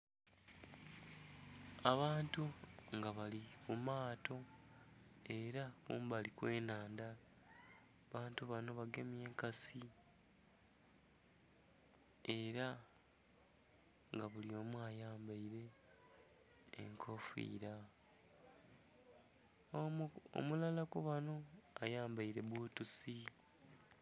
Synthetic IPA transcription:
aβaːntuŋɡaβalikumaːtʰo̞ | e̞ɾakṵːmbalikwe̞ːnaːnda | βaːntuβano̞βaɡe̞mje̞ːŋkasi | eɾa | ŋɡaβulio̞muajaːmbaiɾe̞ | ŋkʰo̞fḭːɾa | o̰mulalakuβano̞ajaːmbaiɾe̞βwuːtusi

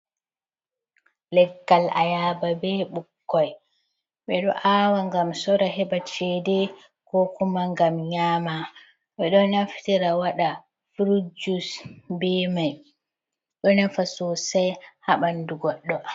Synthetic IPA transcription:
lɛɡːala̰jaːbabɛɓukːɔj | ɓɛɗɔ̰ʔaːwaŋɡamsɔɾaɦɛɓbat͡ʃɛdɛ | kɔkumaŋɡamɲaːma | ɓɛɗɔnaftiɾawaɗa | fɾud͡ʒusbɛmaj | ɗɔnafasɔsajhaɓanduɡɔɗːɔ

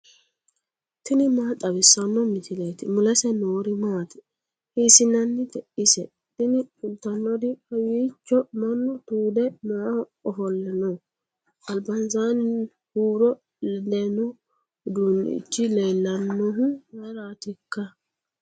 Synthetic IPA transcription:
t̪ɪnɪmat̪ʼɐβɪsːɐnːɔmɪsɪlet̪ɪmʊlɛsɛnoːɾɪmaːt̪ɪ̥ | hisɪnɐnːɪd̪ɛʔɪsɛ | t̪ɪnɪʊlt̪ɐnːɔd̪ɪɐjiːt͡ʃːɔmɐnːɔt̪uːd̪ɛmaː | ɔfɔlːɛnɔ | ʔɐlbɐnzan | huːɾɔ | dɛnɔ | d̪un̰ːɪ̰t͡ʃːɪleːlːɐnːɔɦʊmɐɾaːt̪ɪkːɐ

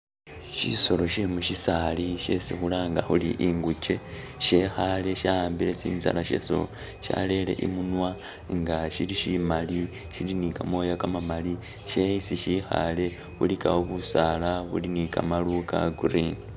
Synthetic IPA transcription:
ʃḭso̞lo̞ʃemuʃisaliʃe̞sixulaŋɡaxuliʔiŋɡuce̞ | ʃeːxale̞ʃajaːmbile̞t͡sḭːnza̰laʃḛso̰ | ʃa̰le̞le̞̰ʔimunwa | ŋɡaʃiliʃimali | ʃilinikamo̞jakamamali | ʃeisiʃixa̰le̞ | βulikawoβusalaβṵlinikamaluka̰ɡuɾini

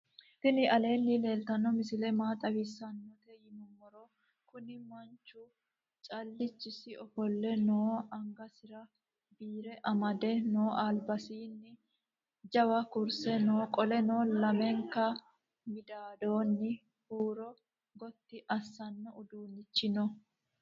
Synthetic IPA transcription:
t̪ɪnɪʔɐle̞ːnːɪle̞ːlt̪ɐnːɔmɪsɪlɛmaːt̪ʼɐwisːɐnːɔt̪ɛjɪmɔmɔɾɔ | kʊnɪmɐnt͡ʃːʊ | t͡ʃʼɐlːɪt͡ʃːɪsɪɔfɔlːɛnoːɐŋɡɐsɪɾɐ | biːɾɛʔɐmɐd̪ɛnoːʔaːlbɐsiːnːɪ | d͡ʒɐwɐkʊɾsɛnoːkʼɔlɛnoːlɐmɛŋkɐ | mɪd̪aːd̪oːnːɪ | huːɾɔ | ɡɔt̪ːɪʔɐsːɐnːɔʔʊd̪uːnːɪt͡ʃːɪnɔ

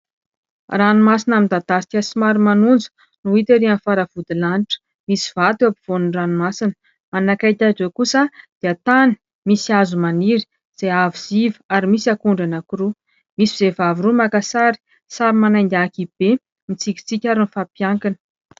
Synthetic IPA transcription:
ranumasinamind̪ad̪asi̥kʲasimaɾimanund͡zə̥ | nuit̪eɾianfaɾav̥ud̪ilanʈ͡ʂə̥ | misiv̥at̪ewapiv̥onunranumasinə̥ | manakajt̪ʲad͡ʒekusad̪̥eat̪ani̥ | misiazumaniɾi̥ | z̥eaviz̥ivəaɾimisakuɳɖ͡ʐanakuɾu | misizevaviɾumakasaɾi̥ | saɾimanajnd̪akib̥e | mit͡sikʲi̥t͡sikʲaɾinfapjaŋkinə̥

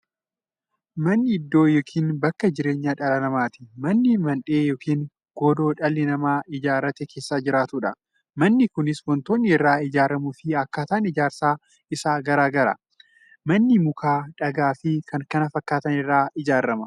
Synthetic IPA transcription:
mɐnːɪɪd̪ːo̞ːjoːkʰiːnbɐkːɐd͡ʒɪɾe̞ːɲːaːᶑɐlɐlɐmaːt̪ɪ̥mɐnːɪmɐnᶑe̞ːjoːkiːŋ | ɡ̥ɔd̪o̞ːᶑɐlːɪnɐmaːʔɪd͡ʒaːɾɐt̪ɛke̞ːsːaːd͡ʒɪɾaːt̪ʊᶑɐ | mɐnːɪkʊnɪswɔnt̪o̞ːnːɪɪrːaːɪd͡ʒaːɾɐmʊfɪɐkːaːt̪aːnɪd͡ʒaːɾsaː | ɪsaːɡɐɾaːɡɐɾɐ̰ | mɐnːɪmʊkʰaːᶑɐɡaːfɪkɐŋkɐnɐfɐkːaːt̪ɐnɪrːaːɪd͡ʒaːɾːɐmɐ

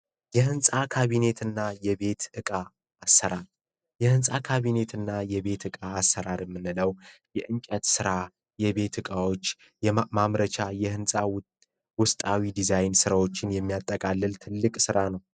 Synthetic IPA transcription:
jɛhɨnsʼakʰaβine̞t̪ʰɨnːajɛβe̞t̪ɨkʼaː | sːəɾaɾ | jɛhɨnsʼakʰaβine̞t̪ʰɨnːajɛβe̞t̪ɨkʼaːsːəɾaɾjɛmːɨnːɨləwjɛʔɨŋt͡ʃʼɛt̪sɨɾa | jɛβe̞t̪ɨkʼawo̞t͡ʃː | jɛmamɾət͡ʃajɛhɨnsʼaw | wʊst̪ʼawid̪izajnsɨɾawo̞t͡ʃːɪnjɛmːijat̪ʼːəkʼalːɨlt̪ʰɨlːɨkʼsɨɾanəw

